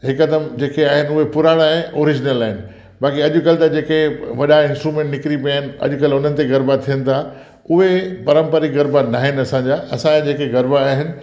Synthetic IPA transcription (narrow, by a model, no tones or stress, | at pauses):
ɦɪkɐd̪əmd͡ʑeːkeaːɦɪnɪ̆ʊɦepʊɾaːɽ̃ãʔoːɾɪd͡ʑnəlaːɦɪnɪ̆ | baːkiɐʄʊ̆kɐlt̪ɐd͡ʑeːkeʋɐɗaɪ̃nsʈɾumẽːɳʈnɪkɾipijaːɦɪnɪ̆ɐ̰ʄʊ̆kɐlʊn̤ənɪ̆t̪eɡɐɾbat̪ʰijənɪ̆t̪ʰa | ʊɦepɐɾə̃mpəɾiɡɐɾbanaːɦɪnɪ̆ɐsãɲd͡ʑaːɐsãad͡ʑeːkeɡɐɾbaːɦɪnɪ̆